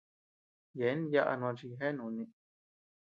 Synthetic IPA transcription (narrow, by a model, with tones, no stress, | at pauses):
je˨˦n˦ja˦ʔa̰˧ñ˧ã˧t͡ʃi˧ɦe˦nũ˨˧nĩ˧